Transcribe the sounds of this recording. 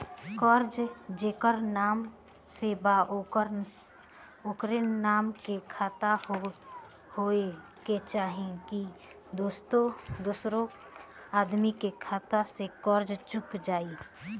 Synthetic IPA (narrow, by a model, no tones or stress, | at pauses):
kɔːɾd͡ʒd͡ʒeːkəɾnaːm | seːba | oːkɾenaːmkekʰaːt̪ao | hoe | ket͡ʃaːɦeki | d̪oːst̪õd̪uːsɾõ | aːd̪mikekʰaːt̪asekɔːɾd͡ʒt͡ʃʊkd͡ʒaːi